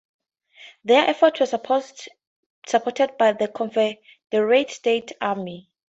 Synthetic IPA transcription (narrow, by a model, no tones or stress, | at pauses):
ðɛʔɛfɔtʰwɔ | sapʰɔtʰɛd̚bajðəkʰɔ̃nfɛ | dəɹetstetʰami